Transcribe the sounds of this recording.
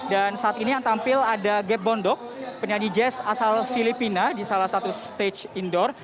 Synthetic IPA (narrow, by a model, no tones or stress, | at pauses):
dansaʔat̪inijaŋt̪ampɪladaɡɛp̚bɔndɔk̚pəɲanid͡ʒɛsasalfilipinadisalahsat̪ust̪et͡ʃindɔr